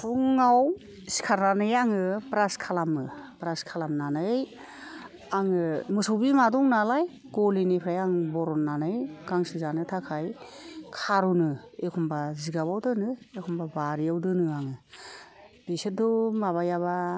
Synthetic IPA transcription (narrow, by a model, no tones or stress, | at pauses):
pʰuŋːaw | si̥kʰaɾnanɯjaŋɯpɾaskʰalamɯpɾaskʰalamnanɯj | aŋɯmɯsɔwbimadɔŋnalaj | ɡ̥ɔlinepʰɾajaŋbɔɾɔnːanɯjɡ̥aŋsizanɯtʰakʰaj | kʰaɾunɯekʰɔmbaziɡaβawdɯnɯekʰɔmbabaɾijawdɯnɯaŋɯ | b̥isit̚dɔmaβajaβa